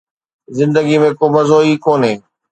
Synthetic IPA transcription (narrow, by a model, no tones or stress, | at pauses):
zɪ̃nd̪əɡimẽkoːmɐzoːiːkoːnɦẽː